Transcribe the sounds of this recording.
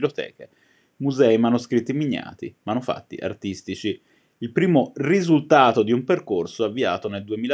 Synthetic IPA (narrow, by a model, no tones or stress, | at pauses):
lot̪ɛ̰ːke | muzɛimanuskɾit̪ːimiɲːa̰ːt̪ḭmanufa̰t̪ːḭʔa̰rt̪ist̪it͡ʃiː | lpɾiːmorizult̪aːt̪od̪iumperkorsoavːia̰ːt̪oneld̪uemiːla